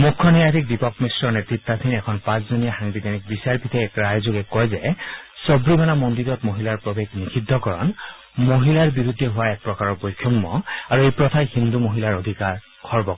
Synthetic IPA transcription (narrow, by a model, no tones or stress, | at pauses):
mukʰːɔnijatʰik̚dipɔkmisɹɔɹnetɹit̪ːat̪ʰinɛkʰɔnpãszonijaxaŋbid̪ʱanik̚bisaɹpit̪ʰɛɛkɹajzoɡɛkɔjzɛsɔbɹibanamɔndiɹɔtmoɦilaɹpɹobeɡnikʰid̪ʱːɔkɔɹɔ̰n | moɦilaɹbiɹud̪ʱːɛɦʊwaɛk̚pɹɔkaɹɔɹbɔjkʰːɔmːɔaɹuejpɹɔt̪ʰajhind̪umoɦilaɹod̪ʱikaɹ | kʰɔɹbɔk